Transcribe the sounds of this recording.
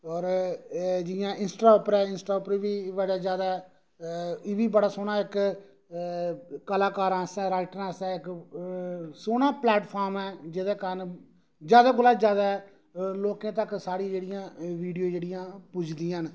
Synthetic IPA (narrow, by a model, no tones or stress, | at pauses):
ɔːɾ | d͡ʒɪjãːʔɪnsʈaːʊːpəɾɛːɪnsʈaːʊpɾʋiːʋəɽaːd͡ʒjaːd̪aː | ʋiːbəɽaːsoːnaːɪk | kəlaːkaːɾãːsɛ̃ːɾaːɪʈəɾãːsɛ̃ːɪk | soːnãːplɛːʈpʰaːɾmɛːd͡ʒeːd̪eːkəɾən | d͡ʒjaːd̪aːɡʊlaːd͡ʒjaːd̪aː | loːkẽːt̪̬əksaːɽĩd͡ʒeːɽɪjãːʋiːɖijõːd͡ʒeːɽɪjãːpʊd͡ʒʰd̪iːãːn